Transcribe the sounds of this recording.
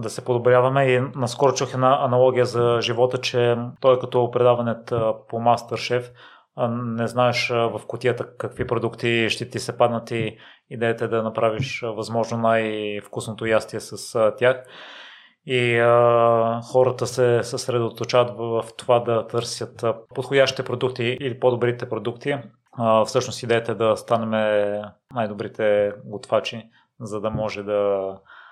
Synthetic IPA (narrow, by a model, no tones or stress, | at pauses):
d̪ɐsɛpod̪obɾʲjavɐmɛinɐskɔɾot͡ʃuxɛd̪naʔɐnɐlˠɔɡʲijəzɐʒivɔt̪ət͡ʃɛt̪ɔjkɐt̪ɔpɾɛd̪avɐnɛt̪pomast̪əɾʃɛf | nɛznaɛʃvɐfkʊt̪ʲiət̪əkɐkvipɾod̪ukt̪iʃt̪ɛt̪isɛpad̪nət̪iː | d̪ɛət̪ɛd̪ɐnɐpɾaviʃvɐzmɔʒnonajfkusnot̪ojast̪iɛsɐst̪ʲjax | iəxɔɾət̪əsɛsəsɾɛd̪ot̪ot͡ʃavət̪vft̪ovad̪ɐt̪ɤɾsjət̪pot̪xodʲaʃt̪i̥t̪ɛpɾod̪uk̚t̪iːlipod̪obɾit̪ɛpɾod̪ukt̪i | fsɤʃnost̪id̪ɛjɛt̪ɛd̪ɐst̪anɛmɛnajd̪obɾit̪ʰɛɡot̪fat͡ʃi | zɐd̪ɐmɔʒɛd̪ɐ